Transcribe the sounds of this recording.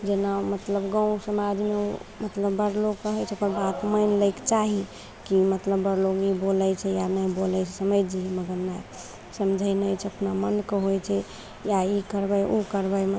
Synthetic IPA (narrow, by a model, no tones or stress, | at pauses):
d͡ʒenamət̪ləbɡãũsəmad͡ʒmeomət̪ləbːəɽloɡkəɦɛjt͡ʃʰɛokəɾbat̪məjnləɪkt͡ʃaɦi | kimət̪ləbːəɽloɡiboləjt͡ʃʰɛjanajbolət͡ʃʰɛsəməjd͡ʒiməɡəɾna | səmd͡ʒʱəjnəjt͡ʃʰəpnamənkeɦojt͡ʃʰɛ | jaikəɾbəjʔukəɾbəjmə